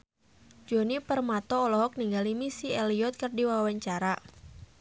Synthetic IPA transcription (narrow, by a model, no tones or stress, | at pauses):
d͡ʒɔnipərmat̪ɔːlɔɦɔk̚niŋɡalimisiɛliɔt̪̚kɨrdiwawaɲt͡ʃaɾa